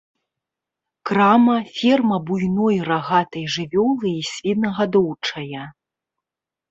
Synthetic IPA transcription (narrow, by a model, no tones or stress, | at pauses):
kɾamɐfʲɛrmɐbujnɔjraɣat̪ɐjʐɨvʲɔlˠɨisʲvʲit̪nɐɣad̪ɔwt͡ʂɐjɐ